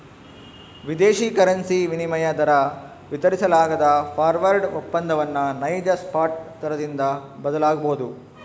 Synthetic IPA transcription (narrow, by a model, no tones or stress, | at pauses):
ʋid̪eːʃiːkɐɾɐnsiʋinimɐjɐd̪ɐɾɐ | ʋit̪ɐɾisɐlaːɡɐd̪ɐpʰaːɾʋɐɾɖupːɐnd̪ɐʋɐnːɐnɐjd͡ʒɐspaːʈ̚t̪ɐɾɐd̪ind̪ɐbɐd̪ɐlaːɡɐboɦud̪u